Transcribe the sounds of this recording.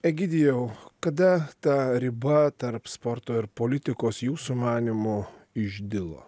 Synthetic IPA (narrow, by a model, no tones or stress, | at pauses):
ɛɡʲɪd̪ʲɪjɛʊkɐd̪ɐt̪ɐɾʲɪbɐt̪ɐɾpspɔɾt̪oːɪɾpoːlʲɪt̪ʲɪkoːsjuːsumɑːnʲɪmʊ | ɪʒʲd̪ʲɪlˠo̰ː